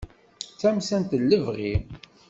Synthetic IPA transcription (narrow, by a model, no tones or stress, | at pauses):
t͡sːæmsænt̪əlːəvʁim